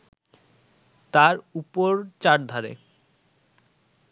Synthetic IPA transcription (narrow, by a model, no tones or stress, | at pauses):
t̪aɾupoɾt͡ɕaɾd̪ʱaɾḛ